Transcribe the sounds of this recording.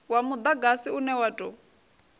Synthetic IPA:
wamud̪aɡasiunɛwatʼɔ

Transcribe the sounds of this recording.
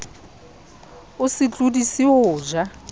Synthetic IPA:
ʊsɪt͡ɬʼudisiʊːʒa

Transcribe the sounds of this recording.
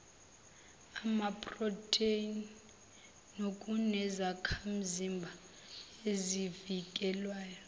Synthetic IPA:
amapʼrɔtʰʼein | nokʼunɛzakʰam̩zimbʱa | ezivikʼɛlwaːjɔ

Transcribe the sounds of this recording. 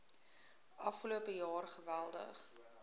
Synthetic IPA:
ʔɐfχəluəpəjɑːrχəvælˠdə̰χ

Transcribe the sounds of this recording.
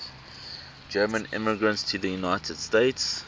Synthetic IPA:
d͡ʒɜːmə̃nɪ̰məɡɹə̃ntstʰəðəjunaɪtʰəd̥steɪts

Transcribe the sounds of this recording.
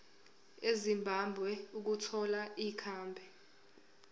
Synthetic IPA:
ezimbʱambʱwɛuk̬utʰɔlaikʰaːmbʱɛ

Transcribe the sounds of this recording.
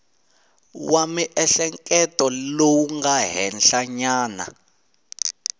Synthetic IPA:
wamiʔɛɬɛŋkʼɛtʼɔloŋɡaɦɛnɬaɲaːna̰

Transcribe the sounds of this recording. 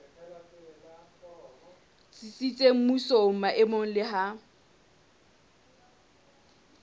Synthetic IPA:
t͡sʼit͡sʼit͡sʼem̩musoŋ̩maʔɪmoŋ̩lɪɦa

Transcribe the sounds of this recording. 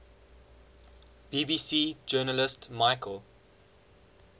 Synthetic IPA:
b̥iːbiːsiːd͡ʒɜːnəlɪstmaɪkʰəlˠ

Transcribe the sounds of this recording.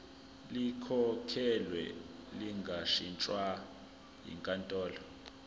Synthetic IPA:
likʰɔkʰɛlwɛ̰liŋɡʱaʃint͡ʃʼwa | jḭŋkʼantʼɔːlɔ

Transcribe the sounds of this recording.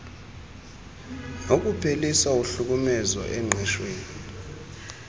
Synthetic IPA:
nok̬upʰelisauɬuk̬umɛzɔ̰ʔɛŋ͡ǃʱɛʃweːni

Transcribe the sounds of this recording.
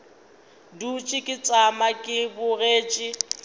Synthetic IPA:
dut͡ʃʼɪkʼɪt͡sʼamakʼɪbʊreːt͡ʃʼɪ

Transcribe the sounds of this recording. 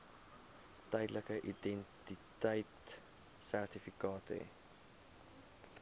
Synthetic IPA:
təjdləkəʔidɛntitəjt | særtifikɑːtə̰

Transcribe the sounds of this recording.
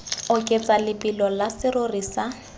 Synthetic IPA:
ʊkʼet͡sʼalɪpʼilɔlasɪrorisa

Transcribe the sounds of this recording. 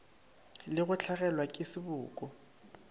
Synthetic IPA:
lɪɣʊt͡ɬʰaɣɛlwakʼɪsɪbʊːkʼɔ

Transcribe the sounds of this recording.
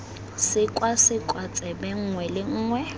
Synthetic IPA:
sɪkʼwasɪkʼwat͡sʼɛbɛŋ̩ŋwɛlɪŋ̩ːŋwɛ

